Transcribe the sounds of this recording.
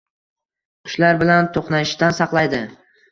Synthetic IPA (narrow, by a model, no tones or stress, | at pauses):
qʰʊ̥ʃlaɾbɪlant̪ʰoqnaɪʃt̪ansɑqlˠajd̪ɪ